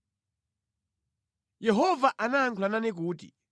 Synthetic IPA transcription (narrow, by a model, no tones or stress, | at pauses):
jɛɦɔvaʔanaːŋkʰulananɛk̬uːtḭ